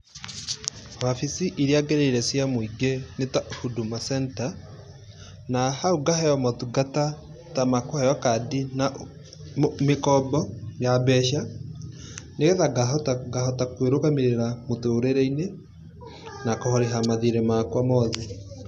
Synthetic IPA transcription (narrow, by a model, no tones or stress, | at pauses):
hafisiʔiɾiaɡeɾeɾɛsjamoiɡenetahudumasɛnta | nahauɡahɛjɔmɔtuɡata | tamakohajɔkadina | mekɔbɔjabɛʃa | neɣɛðaɡatɡahɔtakweɾokameɾeɾamotoɾeɾɛine | nakɔhɔɾeɦamaðiɾemakwamɔðe